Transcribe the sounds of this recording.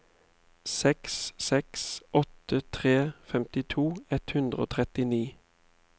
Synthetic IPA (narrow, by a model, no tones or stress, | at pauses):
sɛkssɛksʔɔt̪ət̪ʰʁeːfɛmt̪ɪt̪ʰuːɛt̪hʉnd̪ʁəo̰ːt̪ʰʁɛt̪ɪniː